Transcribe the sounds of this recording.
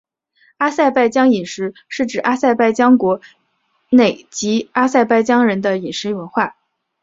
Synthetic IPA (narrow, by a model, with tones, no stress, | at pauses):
a˥sa˥˧ɪpa˥˩ɪt͡ɕjɑ˥ŋi˨˩nʂɻ̩˧˥ʂɻ̩˥˩ʈ͡ʂɻ̩˨˩ʔa˥sa˥˧ɪpa˥˧ɪt͡ɕjɑ˥ŋkwɔ˧˥ | ne˥˩ɪt͡ɕi˧˥a˥sa˥˧ɪpa˥˩ɪt͡ɕjɑ˥ŋɻə˧˥nd̪ə˧i˨˩nʂɻ̩˧˥wə˧˥nxwa˥˩